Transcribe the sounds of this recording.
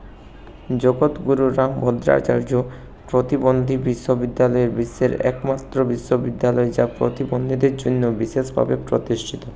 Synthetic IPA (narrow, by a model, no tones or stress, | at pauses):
d͡ʑoɡot̪ɡuɾuɾambʱɔd̪ɾa̰t͡ɕa̰ɾd͡ʑo | pɾot̪ibond̪ʱibiʃːobid̪ːalɔeɾbiʃːeɾɛ̰kmat̪ːɾobiʃːobid̪ːalɔed͡ʑapɾo̰t̪ibond̪ʱid̪eɾd͡ʑonːobiʃeʃbʱa̰bepɾot̪iʃʈʰit̪o